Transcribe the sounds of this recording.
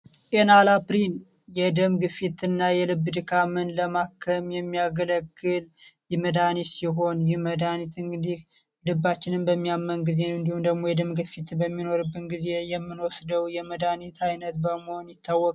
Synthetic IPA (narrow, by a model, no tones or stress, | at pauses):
ʔenalapɾin | jɛd̪əmɡɨfit̪ɨnːajɛlɨbːd̪ɨkʰamɨnləmakʰːəmjɛmːijaɡələɡːɨljɛməd̪anisiɦo̞njɪhməd̪anit̪ɨŋɡɨd̪ih | lɨbːat͡ʃːɪnɨmbəmːijamːənɡize̞ɨnd̪ihumd̪əɡmojɛd̪əmɡɨfit̪bəmːino̞ɾɨbːɨnɡize̞jɛmːɨnwɔsd̪əwjɛməd̪anit̪ʰajnət̪bəməhonjɪt̪ʰːawːɔkʼ